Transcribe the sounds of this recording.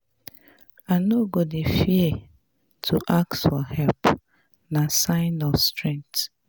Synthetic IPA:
anoɡodefie | tʰuʔak̚tfɔhɛlp | nasãɪ̃nɔfstɹɛ̃ŋk̚t

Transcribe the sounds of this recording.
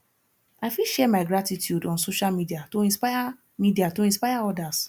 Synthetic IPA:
aɪfiʃɛmaɪɡɾatitjudɔ̃nsoʃalmidiatoĩnspaja | midiatoĩnspaɪaɔdas

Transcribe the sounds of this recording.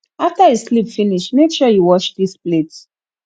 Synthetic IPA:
aftajeslipfiniʃneʃɔjuwɔt͡ʃdisplet

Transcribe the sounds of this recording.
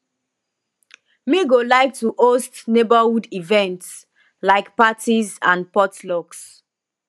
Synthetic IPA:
miɡolaɪk̚tuʔostnebahudivɛ̃nts | laɪkpatizã̰npɔtlɔks

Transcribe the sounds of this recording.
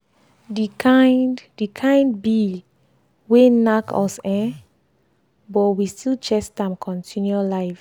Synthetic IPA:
dikʰãɪddikʰãɪ̃ndbi | wenakʰɔ̰sɛ̃ | bɔtwistʰilt͡ʃɛsdãmkʰɔ̃ntʰĩnjualaɪf

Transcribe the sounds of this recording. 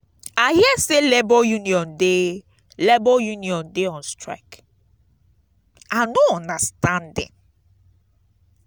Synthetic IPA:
ahiɛselebɔjuniɔ̃nde | lebɔjuniɔ̃ndeɔ̃nstɹa̰ɪk | anoɔ̃ndastãndɛ̰̃m

